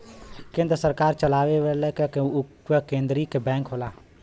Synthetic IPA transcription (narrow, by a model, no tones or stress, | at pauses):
kẽːnd̪ɾəsəɾkaːɾt͡ʃəlaːʋeʋelɛke | ʋəkẽːnd̪ɾikebɛ̃ːŋkɦoːlaː